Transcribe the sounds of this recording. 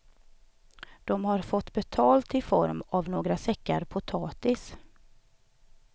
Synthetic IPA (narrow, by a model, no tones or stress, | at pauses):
d̪̥ɔmhaɾfɔt̪ːbɛt̪ʰɑːlt̪ɪfɔ̰ɾmavnoːɡɾasɛkːa̰ɾpʰʊt̪ʰɑːt̪ɪs